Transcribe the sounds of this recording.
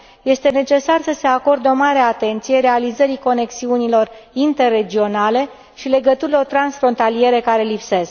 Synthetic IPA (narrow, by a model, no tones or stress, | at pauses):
je̞st̪e̞ne̞t͡ʃe̞sarsəse̞ako̞rd̪o̞maɾe̞at̪e̞nt̪sijeɾe̞alizəɾiko̞ne̞ksiunilo̞rint̪e̞rːe̞d͡ʒio̞nale̞ | ʃile̞ɡət̪uɾilo̞rt̪ɾansfɾo̞nt̪alije̞ɾekaɾe̞lipse̞sk